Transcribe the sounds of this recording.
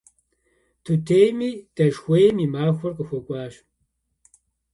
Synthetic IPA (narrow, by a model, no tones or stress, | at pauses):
tʰutʰejmid̥ɐʃxʷeːjmimaːxʷɔrqʼəxʷɔkʷʼaːʃ